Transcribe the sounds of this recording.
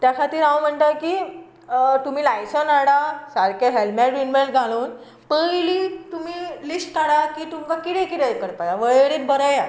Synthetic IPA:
t̪jakʰat̪iːɾawm̤əɳʈ̪akiː | t̪um̤iːlajsənaɽasaɾkeɦelmaʈinmeɳɡʱaluːn | pəjliːt̪um̤iːlisʈt̪ʰaɽakiːt̪umkakiɽẽkiʈekəɽpajaʋəɭɽeːt̪̚bəɾəja

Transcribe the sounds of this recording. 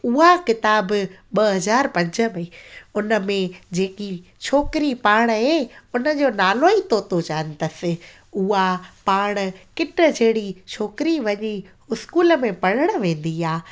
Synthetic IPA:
ʊɦakɪt̪aːbɓɐɦɐzaːɾpɐ̃ɲd͡ʑʱə̆mɐiʊnə̆mẽd͡ʑeːki | t͡ɕʰoːkɪɾipaːɽ̃ɦeʊnə̆d͡ʑoːnaːloit̪oːt̪ot͡ɕaːənɪ̆t̪əsɪ̆ | ʊɦapaːɽ̃kɪʈə̆d͡ʑeɦɽit͡ɕʰoːkɪɾiʋɐɲi | ʊskuːlə̆mẽpɐɽ̤əɽ̃ʋẽːn̆d̪iaː

